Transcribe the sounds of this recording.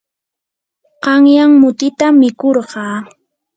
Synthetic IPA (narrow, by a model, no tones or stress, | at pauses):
qɑŋjaŋmʊt̪ɪt̪amɪkoɾɢɑː